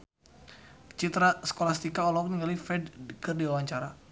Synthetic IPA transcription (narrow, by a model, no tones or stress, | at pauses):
t͡ʃit̪ɾasə̥kolast̪ikaɔlɔk̚niŋɡalifɛdkərdiwawaɲt͡ʃaɾa